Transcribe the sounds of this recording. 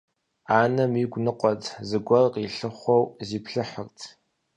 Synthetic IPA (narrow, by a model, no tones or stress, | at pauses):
aːnɐmiɡʷnɨqʷʼɔtʰzɨɡʷɔrqʼiɬɨχʷɔwziːpʰɬɨħərtʰ